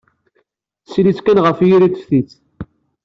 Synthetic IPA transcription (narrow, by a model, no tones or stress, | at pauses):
slit͡skænʁəfjiɾit͡s̪ːfθit͡sː